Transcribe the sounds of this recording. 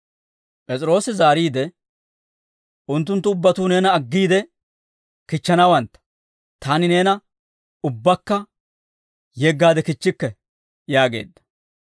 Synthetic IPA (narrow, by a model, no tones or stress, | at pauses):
pʼɛt͡sʼɪɾo̞ːsɪzaːɾiːd̪ɛ | ʔʊnt̪ːʊnt̪ːʊʊbːɐt̪uːne̞ːnɐːɡːiːd̪ɛ | kɪt͡ʃːɐnɐwɐnt̪ːɐ̥ | t̪ʰaːnɪne̞ːnɐ | ʊbːɐkːɐ | jeɡːaːd̪ɛkɪt͡ʃːɪkːɛ | jaːɡe̞̰ːd̪ːɐ̥